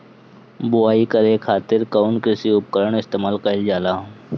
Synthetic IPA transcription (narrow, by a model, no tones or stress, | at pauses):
bʊaːikəɾekʰaːt̪ɪɾkaʊnkɾɪsiʊp̚kəɾəɽ̃ɪst̪eːmaːlkəɪld͡ʒaːlaː